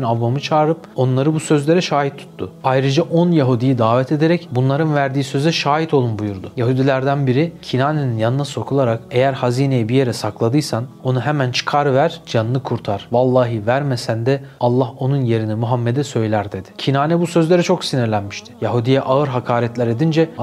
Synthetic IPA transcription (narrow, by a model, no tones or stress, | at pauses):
ynavːamɯt͡ʃʰaːɾɯpo̞nlˠaɾɯbusø̞zlʲe̞ɾɛʃaːɦit̪ʰːu̥t̪ːʊ̰ajɾɯd͡ʒaʔo̞njaɦud̪ijid̪aːvɛt̪ʰe̞d̪eɾɛcbunlˠaɾɯnvæɾd̪iːsø̞zɛʃaːɦit̪ʰo̞lˠumbujuɾd̪ʊjaɦud̪ilʲæɾd̪ænbiɾicʰinaːneninjanɯnaso̞kʰulˠaɾake̞jæɾhaziːnejibije̞ɾɛsaklˠad̪ɯjsano̞nuɦemænt͡ʃʰɯ̥kʰaɾvæɾ̥d͡ʒanːˠɯkʰuɾt̪ʰaɾ̥valˠːaːɦɯvæɾmesænd̪ɛalˠːaho̞nunje̞ɾinimuɦamːed̪ɛsø̞jlʲæɾd̪e̞d̪ɪ̥cʰinaːnɛbusøzlʲe̞ɾɛt͡ʃʰo̞ksiniɾlʲænmiʃt̪ʰɪ̥jaɦud̪ijɛʔaɯɾɦakʰaːɾɛt̪lʲæɾe̞d̪ind͡ʒɛ